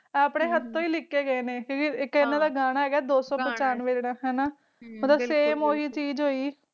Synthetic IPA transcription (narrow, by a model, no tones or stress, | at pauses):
ɛaːpɽeːɦət̪ːõːiːlɪkːeːɡəeːnẽːkjõːkiɪkːɪnãːd̪aːɡaːñaːɛːɡɛːd̪oːsɔ̃ːpət͡ʃaːnʋeːd͡ʒɽaːɦɛːnaː | mət̪ləbseːmoːɦiːt͡ʃiːd͡ʒɦoːiː